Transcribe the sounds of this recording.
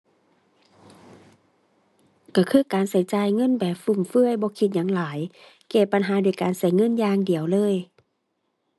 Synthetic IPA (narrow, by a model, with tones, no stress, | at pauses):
ka˧˩kʰɯː˧˥˨kaː˨nsa˨˦jt͡ɕaː˨˩jŋɤ˧˥˨nbɛː˨˩p̚fu˧˩˨mfɯ˧˥˨əjbɔː˧˦kʰi˧t̪̚ɲaː˧˥˦ŋlaː˨˦j | kɛː˧˩pa˨nɦaː˨˦du˧˩əjkaː˨˩nsa˧˩jŋɤ˧˥˨njaː˧ŋdi˨˩əwlɤː˧˥˨j